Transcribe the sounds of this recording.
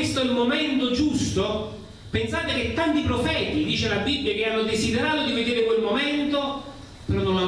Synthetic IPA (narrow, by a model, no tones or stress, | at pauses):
est̪oilmoment̪od͡ʒust̪o | pensaːt̪ek̟et̪ːant̪ipɾofɛːt̪id̪iːt͡ʃelabibːjak̟eanːod̪esid̪eɾaːt̪od̪ived̪eːɾɪkwelmoment̪o | pɾɔnona